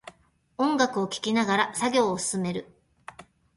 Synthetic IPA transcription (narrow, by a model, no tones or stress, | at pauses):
õ̞ŋɡakɯ̟o̞kʲi̥kʲinaɡaɾasaɡʲo̞ːsɨ̥sɨme̞ɾɯ̟